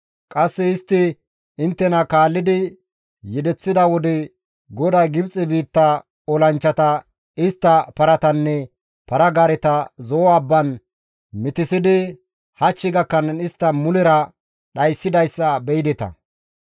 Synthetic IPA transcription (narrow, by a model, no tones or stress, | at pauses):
kʼɐsːɛɪst̪ːɪ | ɪnt̪ːɛnɐkaːlːɪd̪ɪ | jɛd̪ɛt͡sːɪd̪ɐwɔd̪ɛ | ɡɔd̪ɐjɡɪbt͡sʼɛbiːt̪ːɐ | ɔlɐnt͡ʃːɐt̪ɐ | ɪst̪ːɐpɐɾɐt̪ɐnːɛ | pɐɾɐɡaɾɛt̪ɐzɔːɐbːɐn | mɪt̪ɪsɪd̪ɪ | hɐt͡ʃːɪɡɐkːɐnɪst̪ːɐmʊlɛɾɐ | ɗɐjsːɪd̪ɐjsːɐbɛjɪd̪ɛt̪ɐ̰